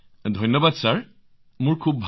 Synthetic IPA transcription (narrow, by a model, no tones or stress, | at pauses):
dʱɔjnːɔbadsaɹ | mʊɹkʰubːʱ